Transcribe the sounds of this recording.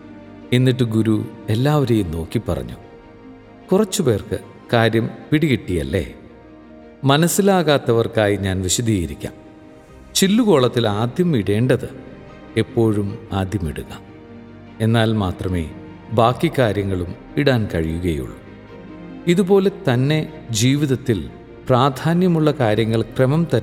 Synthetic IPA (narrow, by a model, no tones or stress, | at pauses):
enːiʈ̬ːɨɡuɾue̞lːaːʋɐɾeːjumno̞ːkːipːɐ̰rɐ̰ɲːu | kurɐt͡ɕːupe̞ːrkɨ | kaːɾjɐmpiɽiɣiʈːijɐlːe̞̰ | mɐnɐsːilaːɣaːt̪ːɐʋɐrkaːjiɲaːnʋiɕɐd̪ʱijiɾikʲːa̰ːm | t͡ɕilːuko̞ːɭɐt̪ːilaːd̪ʱjɐmiɽe̞ːɳɖɐðɨ | e̞pːo̞ːɻumaːd̪ʱjɐmiɽuɣɐ | e̞nːaːlmaːt̪rɐme̞̰ː | baːkːikːaːɾjɐŋːɐɭum | iɽaːnkɐɻijuɣɐjṵɭːṵ | iðubo̞ːle̞t̪ɐnːe̞ | d͡ʑiːʋiðɐt̪ːil | praːd̪ʱʰaːnjɐmuɭːɐkaːɾjɐŋːɐɭkremɐmt̪ɐ